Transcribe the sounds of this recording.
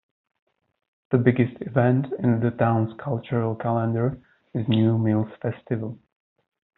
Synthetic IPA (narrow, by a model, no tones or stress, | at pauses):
ðɨbɪɡɨstɪvɛ̃ntɪ̃nðɨtʰãʊ̃nz̥kʰʌlˠt͡ʃə˞əlˠkʰælˠə̃ndə˞ | ɨznjumilˠz̥fɛstɨvəl̩ˠ